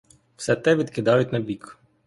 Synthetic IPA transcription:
w̥sɛt̪ɛʋʲid̪kɪd̪ɑjʊtʲnɐbʲik

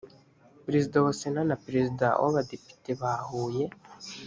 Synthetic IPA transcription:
pɾezidawosenanapɾezida̰wo̰βadepi̥teβaːhuːje̞

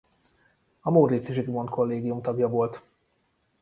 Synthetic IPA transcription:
ɒmoːɾisiʃiɡmont̪kʰo̞lːeːɡijumt̪ɒbjɒvo̞lt̪

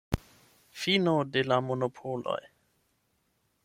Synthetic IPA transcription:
finodelamonopʰolo̰j

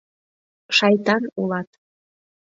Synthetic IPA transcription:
ʃɑjt̪ɑnulɑt̪

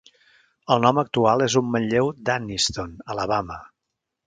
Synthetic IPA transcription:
əlˠnɔmək̚t̪ualˠezumːəʎʎewd̪anist̪onələβamə

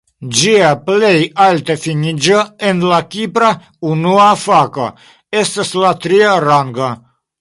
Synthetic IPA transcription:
d͡ʒiaplejalt̪efinid͡ʒəenlakʲipɾa | unuafaka̰ | est̪aslat̪ɾiaɾaŋɡa

